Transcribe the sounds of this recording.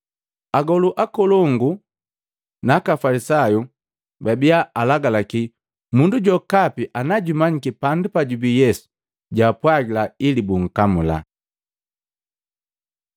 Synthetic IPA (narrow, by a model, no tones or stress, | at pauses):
aɡɔluʔakɔlɔŋɡu | nakafalisaju | babiaalaɡalaki | munduɟɔkapiʔanaɟumaɲikipandupaɟubijɛsu̥ | ɟapwaɡilailibuŋ̩kamula̰